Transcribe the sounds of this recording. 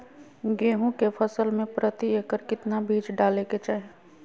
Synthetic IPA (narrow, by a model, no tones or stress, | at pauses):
ɡeːɦõkepʰəsəlmẽpɾət̪ieːkəɾkɪt̪nabʱiːd͡ʒɖaːleket͡ʃaːɦe